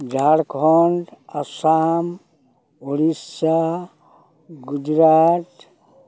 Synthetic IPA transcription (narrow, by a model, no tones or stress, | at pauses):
d͡ʒʱaɽkʰɔɳɖasam | oɽisa | ɡud͡ʒɾaːt̪